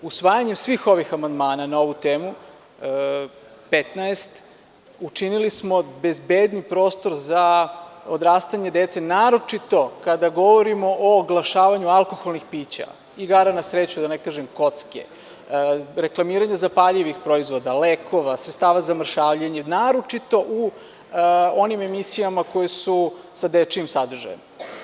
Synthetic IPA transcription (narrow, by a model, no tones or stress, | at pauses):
usʋaːjaɲe̞msʋiːxo̞ʋixamand̪maːnanao̞ʋut̪eːmu | pet̪naest̪ | ut͡ʃinilismo̞be̞zbed̪nipɾo̞ːst̪o̞ɾzaod̪ɾaːst̪aɲe̞d̪et̪se̞naːɾo̞t͡ʃit̪o̞kad̪aɡo̞ʋoɾimo̞ʔoːɡlˠaʃaːʋaɲualˠko̞xo̞lnixpiːt͡ɕa̰ | iɡaɾanasɾet͡ɕud̪anekaːʒemko̞t̪skḛ | ɾe̞klˠamiːɾaɲazapaʎiʋixpɾo̞izʋo̞d̪aleːkʰo̞ʋasɾet̪st̪aːʋazamr̩ʃaːʋʎeɲenaːɾo̞t͡ʃit̪o̞ʔu | o̞nime̞misijamako̞jesu | sad̪et͡ʃiimsad̪r̩ʒa̰jne